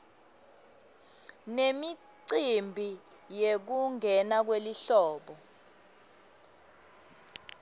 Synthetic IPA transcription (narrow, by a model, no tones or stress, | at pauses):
nemiǀimbʱi | jek̬uŋʱɛnak̬weliɬɔːɓɔ